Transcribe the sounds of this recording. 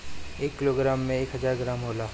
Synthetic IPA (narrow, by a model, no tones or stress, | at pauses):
eːkːɪloːɡɾaːmːẽeːkɦɐd͡ʒaːɾɡɾaːmɦoːlaː